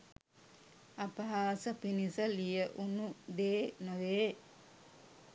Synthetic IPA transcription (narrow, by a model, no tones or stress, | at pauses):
ɐpɐɦaːsəpinisəlijəʔunud̪eːnoʋeː